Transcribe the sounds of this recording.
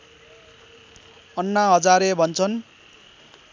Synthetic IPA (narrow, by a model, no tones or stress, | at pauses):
ʌnːaɦʌd͡zaɾebʱʌnt͡sʰʌn